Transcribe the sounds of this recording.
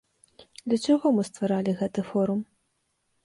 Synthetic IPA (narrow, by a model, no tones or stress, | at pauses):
d̪lʲɐt͡ʂaɣɔmɨst̪vaɾalʲiɣɛt̪ɨfɔɾum